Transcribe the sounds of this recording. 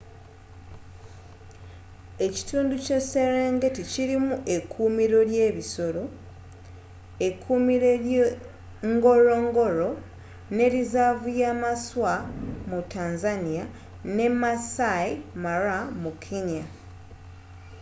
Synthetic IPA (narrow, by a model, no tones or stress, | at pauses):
e̞ci̥tuːnducese̞ɾeːŋɡe̞ticiɾimuʔe̞kʰːuːmiɾo̞lje̞ːβiso̞ɾo̞ | ekʰumiɾe | ŋɡo̞ɾo̞ŋɡo̞ɾo̞ | ne̞ɾizaːvujaːmaswamutaːnzanija | ne̞masaimaɾamukʰːeɲa